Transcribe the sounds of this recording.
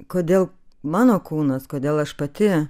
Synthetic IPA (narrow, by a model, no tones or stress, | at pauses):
koːd̪ʲeːlˠ | mɑːnoːkuːnɐskoːd̪ʲeːlˠɐʃpɐt̪ʲɪ